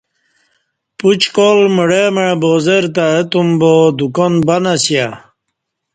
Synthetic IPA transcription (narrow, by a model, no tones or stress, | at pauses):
put͡ɕkolmuɽemeboːzeɾt̪aet̪umbod̪ukɔnbanasja